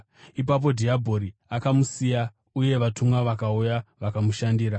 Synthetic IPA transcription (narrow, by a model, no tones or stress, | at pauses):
ipap̬o̞dʱiabʱo̞ɾiakamusija | uje̞ʋatumwaʋakaujaʋakamuʃandiːɾa